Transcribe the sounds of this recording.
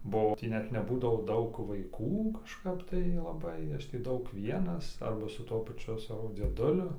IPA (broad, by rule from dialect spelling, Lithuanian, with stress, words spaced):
bʊˈɐʊ ˈtʲiː ˈnʲɛt nʲɛˈbuːdɐʋoː ˈdɐʊk ʋɐɪˈkuː kɐʃˈkɐp tɐɪ lˠɐˈbɐɪ ˈɐʃ tʲiː ˈdɐʊk ˈʋʲiɛnɐs ˈɐrbɐ sʊ ˈtuɔ pɐˈt͡ʃʲʊ ˈsɑːʋoː d͡zʲiɛˈdʊlʲʊ